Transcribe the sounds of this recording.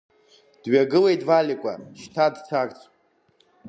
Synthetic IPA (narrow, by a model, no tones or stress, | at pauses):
d̥ɥaɡɨle̞jtʼvalikʷʼa̰ʃtʰadt͡sʰakʼt͡sʰʼ